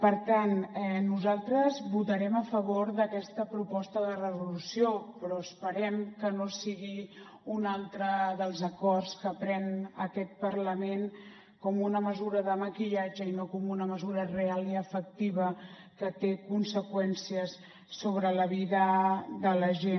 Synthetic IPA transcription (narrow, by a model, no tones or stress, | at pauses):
pəɾt̪anɛnuzalˠt̪ɾəzβut̪əɾɛməfəβ̞oɾðəkɛst̪əpɾupɔst̪əðərəzulusiopɾɔəspəɾɛmkənosiɣi | unalˠt̪ɾəðəlˠzəkɔrskəpɾɛnəkɛt̪̚pəɾləmen | kɔmunəməzuɾəðəməkiʎad͡ʒəinokɔmunəməzuɾərealˠiəfək̚t̪iβə | kət̪ekunsəkwɛnsiəsː | oβɾələβiðəðələʒe